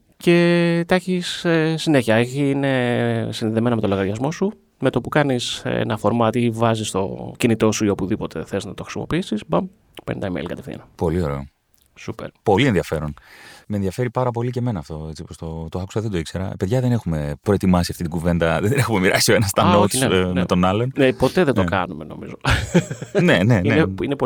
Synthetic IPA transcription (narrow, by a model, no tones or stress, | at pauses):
ce̞t̪ɐçisesineçiɐeçiine̞sinðiðeme̞nɐme̞t̪o̞lo̞ɣɐɾʝɐzmo̞su | me̞t̪opukɐnisḛnɐfo̞ɾmɐt̪ivɐzist̪o̞̰cinit̪o̞suio̞puðipo̞t̪e̞̰θe̞znɐt̪oxɾisimo̞piisisbɐm | pḛnit̪ɐimḛlkɐt̪e̞fθḭɐnɐpo̞lio̞ɾe̞o | supḛɾpo̞lieðiɐfe̞ɾonmenðiɐfe̞ɾipɐɾɐp̬o̞lice̞me̞nɐːft̪o̞et͡sipost̪ot̪oɐku̥sɐðed̪oikseɾɐ̰peðʝɐðe̞ne̞xume̞pɾoe̞t̪imɐsiɐft̪it̪iɡuve̞nd̪ɐðenexume̞miɾʔɐsioenɐst̪ɐnot̪nenet̪o̞nɐlo̞nnepo̞t̪e̞ðed̪okɐnume̞no̞̰mḭzo̞ | neneineinepo